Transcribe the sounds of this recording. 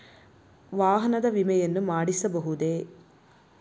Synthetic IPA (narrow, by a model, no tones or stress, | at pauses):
ʋaːɦɐnɐd̪ɐʋimɛjɐnːumaːɽisɐbɐɦud̪e